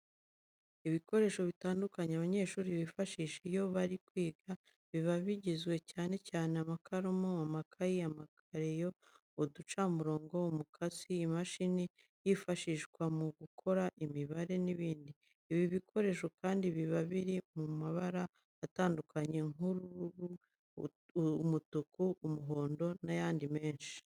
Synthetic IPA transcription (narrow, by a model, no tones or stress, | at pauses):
iβiko̞ɾe̞ːʃo̞βitaːndukaɲeaβaɲe̞ːʃuːɾiβifaʃiːʃejo̞βaɾikwiːɡa | βiβaβiɟizɡwe̞caːne̞caːneamakʰaɾomoamakʰajiamakʰaɾejo̞ | odut͡ʃamuɾo̞ːŋɡo̞umukʰasiːmaʃine | jifaʃiʃɡwamuɡukʰo̞ɾaʔimiβaɾe̞niβiːndiː | βiβikʰo̞ɾe̞ʃokaːndiβiβaβiɾimumaβaɾaː | taːndukʰaɲe̞ŋuɾuu | mutukuumuɦo̞ːndo̞najaːndime̞ːnʃi̥